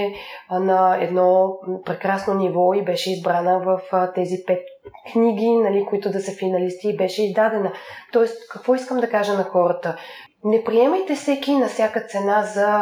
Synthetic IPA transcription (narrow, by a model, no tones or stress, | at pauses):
ɛnɐɛ̰d̪nɔpɾɛkɾasnonivɔibɛʃɛizbɾanəvəft̪ɛzipɛt̪̚kniɡʲinɐlikoit̪ʊd̪ɐsəfinɐlist̪iːbɛʃɛizd̪ad̪ɛnət̪ɔɛst̪kɐkvɔiskəmd̪ɐkaʒənɐxɔɾət̪ə | nɛpɾiɛməjt̪ɛsɛkʲinɐfsʲjakət̪sɛnazɐ